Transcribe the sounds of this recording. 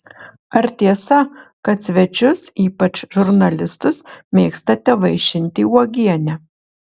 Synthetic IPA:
ɐɾt̪ʲiɛsɐkɐt̪sʲʋʲɛt͡ʃʲʊsiːpɐt͡ʃʒʊɾnɐlʲɪst̪ʊsmʲeːkst̪ɐt̪ʲɛʋɐɪʃʲɪnʲt̪ʲiːuɔɡʲiɛnʲɛ

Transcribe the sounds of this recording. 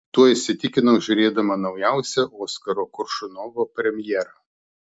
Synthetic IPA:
t̪uɔɪʃʲsʲɪt̪ʲɪkʲɪnoːʒʲʊɾʲeːd̪ɐmɐnɐʊjæˑʊsʲɛʔoːskɐɾoːkʊɾʃʊnoːʋoːpʲɾʲɛmʲjɛːɾɐ

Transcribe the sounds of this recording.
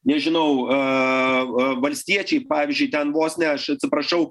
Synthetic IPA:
nʲɛʒʲɪnɐʊ | ʋɐlʲsʲt̪ʲiɛt͡ʃʲɛɪpɑːʋʲɪzʲd͡ʒʲʊɪt̪ʲɛnʋoːsʲnʲɛɐʃɐt̪ʲsʲɪpɾɐʃɐʊ

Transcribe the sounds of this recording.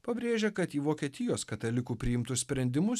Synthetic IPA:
pɐbʲɾʲeːʒʲɛkɐt̪iːʋoːkʲiɛt̪ʲɪjoːskɐt̪ɐlʲɪkuːpʲɾʲɪɪmt̪ʊssʲpʲɾʲɛnʲd̪ʲɪmʊs

